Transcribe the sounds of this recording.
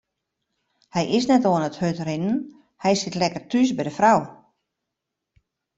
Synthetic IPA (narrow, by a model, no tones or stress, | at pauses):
hɛjʔɪsnɛtoənəthøtrɪnən | hɛjsɪtlɛkərtʰys̬bɛjdəfraw